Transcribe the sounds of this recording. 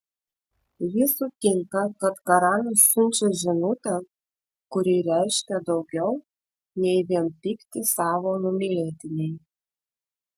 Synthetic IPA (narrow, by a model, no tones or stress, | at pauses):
ʋʲisut̪ʲɪŋkɑkɐt̪kɐɾɑnɐssʲʊnʲt͡ʃʲɛʒʲɪnoːt̪ʲɛ | kʊɾʲiɾʲæɪʃʲkʲɛd̪ɒʊɡʲɛw | nʲɛɪʋʲiɛnpʲikt̪ʲɪsɑːʋonumʲelʲeːt̪ʲɪnʲej